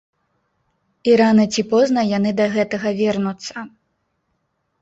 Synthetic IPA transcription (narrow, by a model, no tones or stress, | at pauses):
iɾanɐt͡sʲipɔznɐjanɨd̪ɐɣɛt̪ɐɣɐvʲɛrnut̪sːɐ